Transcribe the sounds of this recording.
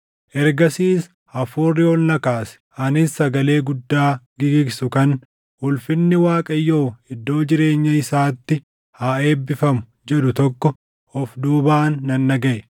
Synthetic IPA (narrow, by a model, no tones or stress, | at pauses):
ʔɛɾɡɐsiːs | ɐfuːrːɪɔlnɐkaːsɛ̥ʔɐnɪsːɐɡɐle̞ːɡʊd̪ːaːɡɪɡɪɡsʊkɐn | hʊlfɪnːɪwaːkʼɐjːo̞ːɪd̪ːo̞ːd͡ʒɪɾe̞ːɲːɐɪsaːt̪ːɪ | haːe̞ːbːɪfɐmʊ | d͡ʒɛᶑ̪ʊt̪ɔkːɔ | ɔfd̪uːbaːnːɐnːɐɡɐʔɛ